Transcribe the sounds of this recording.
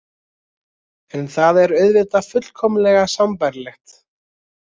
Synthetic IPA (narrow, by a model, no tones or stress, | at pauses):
ɛnθaðɛɾœɥðvɪt̪afʏt̪l̥kʰɔmlɛɣasampaɾlɛxt̪